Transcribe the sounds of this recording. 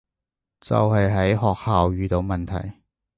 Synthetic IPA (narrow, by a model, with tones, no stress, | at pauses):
t͡sɐ̰˨whɐ˨jɦɐ˨˥jɦɔː˨k̚haː˨wjyː˨˧t̪o˨˧wmɐ˨nt̪ʰɐ̰˨˩j